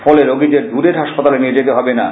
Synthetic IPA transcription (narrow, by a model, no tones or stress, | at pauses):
fɔleɾoɡid̪eɾd̪uɾeɾɦaʃpat̪alenied͡ʑet̪eɦɔbena